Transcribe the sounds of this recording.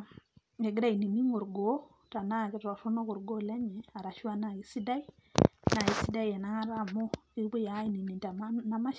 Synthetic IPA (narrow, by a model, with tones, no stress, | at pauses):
ɛ˨ɡɪ˦da˦˨i˨ni˨ni˦ŋo˨ɾɡo˨˦ | ta˨na˦˨kɛ˦ta˨su˦nɔ˦kɔ˨ɾɡo˦˨lɛ˦ɲɛ˨a˨ɾa˨ʃu˦a˦na˨i˦si˦da˦i˦ | na˨i˦si˦da˦i˦jɛ˨na˦ŋa˦ɾa˦mo˦i˦ke˦ja˨˦i˦˨ni˨ni˨ta˨ma˦na˦ma˦